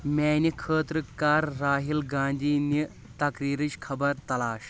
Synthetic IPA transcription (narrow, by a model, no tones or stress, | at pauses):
mʲɛːnikʰəːt̪ɾɨkaːɾːaːɦilɡãːnd̪ʱiːni | t̪ɐkɾiːɾit͡ɕkʰɐbəɾt̪ɐlaːɕ